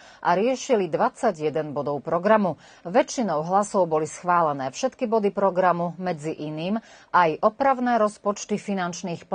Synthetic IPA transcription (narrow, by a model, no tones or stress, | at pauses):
ʔa̰ɾɪɛʃilid̪ʋat͡sːaɟjɛd̪ɛnbɔd̪ɔʊpɾɔɡɾamu | ʋɛt͡ʃːinɔʊɦlasɔʊbɔlisxʋaːlɛnɛːfʃɛt̪kibɔd̪ipɾɔɡɾamumɛd͡ziʔiniːmʔajʔɔpɾaʊnɛːɾɔspɔt͡ʃt̪ifinant͡ʃniːxp